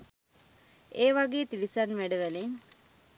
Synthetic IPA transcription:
eːʋaɡeːt̪ilisanʋæɖəʋæleŋ

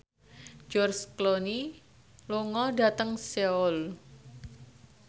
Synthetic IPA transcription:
d͡ʒɔrskloni | luŋɔɖa̤t̪əŋseɔl

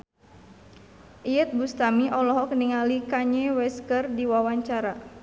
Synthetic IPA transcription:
ʔiət̪̚bust̪amiʔɔlɔɦɔkniŋalikaɲɛwɛskərdiwawaɲt͡ʃaɾa

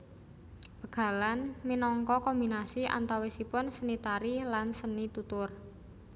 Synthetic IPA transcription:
b̥ə̤ɡ̥a̤lanminɔŋkɔkɔmbinasiʔa̰nt̪awesipʊnsənit̪aɾilansənit̪ut̪ʊr

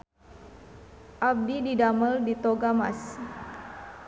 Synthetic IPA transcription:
ʔab̚dididaməldit̪oɡama̰s

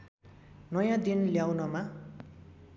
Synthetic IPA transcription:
nʌjãd̪inljawnʌma

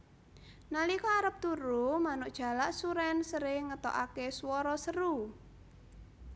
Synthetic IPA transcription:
nalikɔaɾəp̚t̪uɾumanʊʔd̥ʒ̥a̤laʔsuɾɛnsəɾɪŋət̪ɔ̰ʔakeswɔɾɔsəɾu

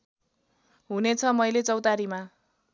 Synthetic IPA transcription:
ɦunet͡sʰʌmʌjlet͡sʌwt̪aɾima

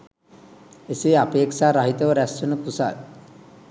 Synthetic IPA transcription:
esiapeːksaːɾaɦit̪oʋəɾæsunupusa̰l

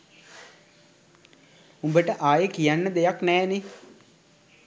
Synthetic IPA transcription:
umbəʈəʔaːjəkijanːəd̪ejaknɛːne

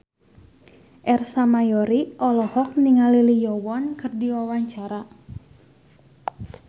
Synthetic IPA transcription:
ʔɛrsamajɔɾiʔɔlɔhɔk̚niŋalilijɔwɔnkɨrdiwawaɲt͡ʃaɾa

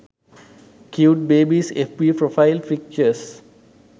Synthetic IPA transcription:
kʰjuːʈ̚beːbisɛfpipɾofaɪlfik̚t͡ʃəs

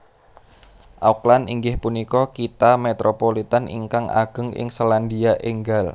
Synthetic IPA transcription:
ʔauklaniŋɡɪhpunikɔkit̪amet̪ɾʔopolit̪anḭŋkaŋa̰ɡ̥ə̤ŋɪ̰ŋsoland̪iaʔeŋɡal

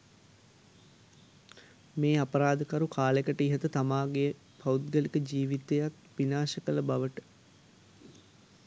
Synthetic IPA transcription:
meːapəɾaːd̪əkɐɾukʰaːlekəʈəiɦət̪ət̪amaːɡe | paut̪̚ɡəlikəd͡ʒiːʋit̪ejat̪ʋinaːʃəkələbaʋəʈə̥

